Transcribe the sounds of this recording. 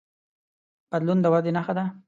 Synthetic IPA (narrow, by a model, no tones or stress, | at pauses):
b̥ad̪lund̪əwad̪enaxad̪a